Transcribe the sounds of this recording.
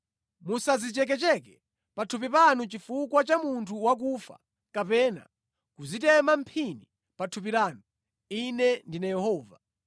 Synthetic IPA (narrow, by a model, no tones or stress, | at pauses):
musazit͡ʃɛk̬ɛt͡ʃɛk̬ɛ | patʰup̬ipanut͡ʃifukwat͡ʃamuntʰuwak̬uːfa̰ | kapɛːna̰ | kuzitɛmam̩pʰini | patʰup̬iɾaːnu | inɛndinajɛhɔːva̰